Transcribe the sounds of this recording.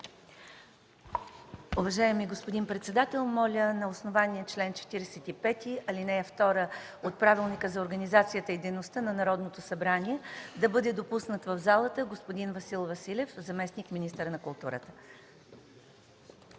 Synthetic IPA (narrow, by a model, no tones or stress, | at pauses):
uvɐʒaɛmiɡospod̪inpɾɛt̪sɛd̪at̪ɛlˠmɔlʲənɐosnovaniət͡ʃlɛnt͡ʃɛ̥t̪iɾɛsɛt̪ipɛt̪iɐlinɛɛft̪ɔɾə | ot̪̚pɾavilˠnikəzɐoɾɡɐnizat̪sijət̪əid̪ɛjnost̪ənɐnɐɾɔd̪not̪osɐbɾanʲiɛd̪ɐbɤd̪ɛd̪opusnət̪vəvzalˠət̪əɡospod̪invɐsilˠvɐsilʲɛfzɐmɛsnikminist̪əɾnɐkʊlˠt̪uɾə̰t̪ə̥